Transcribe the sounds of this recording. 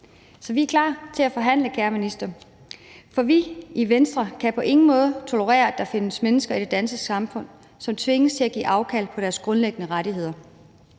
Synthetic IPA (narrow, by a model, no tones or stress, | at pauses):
sɒ̽ʋiæɐkʰlɑ̰̈ːt͡sʰe̝læfɒ̽ɦæn̰ləkʰeːɐminisd̥ɐ | fɒ̽ʋiʔiʋensd̥ʁɐkʰæpʰɒ̽ʔe̝ŋn̩mɔ̽ːð̞ˠt͡sʰo̝ləʁɛ̰ːɐæd̥ɑ̈fe̝nəsmenəsɡ̥ɐid̥e̝d̥ænsɡ̥əsɑ̈mfɔ̽n̰ | sɒ̽mt͡sʰʋe̝ŋəst͡sʰe̝læɡ̥ḭːʔɑ̈ʊkʰæl̰pʰɒ̽ɾ̥æɐsɡ̥ʁɔ̽nleɡ̥ənəʁɑɾiɦe̝ð̰ˠɐ